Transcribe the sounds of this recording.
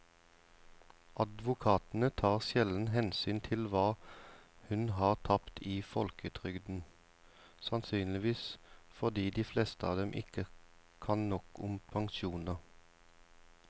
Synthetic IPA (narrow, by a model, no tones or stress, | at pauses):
ʔɑd̪ʋʊkʰɑːt̪n̩ət̪ʰɑːʁʃjɛln̩ɦɛnsyːnt̪ʰɪlʋɑː | hʉnɦɑːʁt̪ʰɑpt̪ʰiːfɔlkət̪ʰʁʏɡd̪n̩ | sɑnsyːnlɪʋiːsfɔʁd̪iːd̪iːflɛst̪əɑːʋd̪ɛmʔɪ̰kə | kʰɑnnɔkʊmpʰɑŋʃuːnəʁ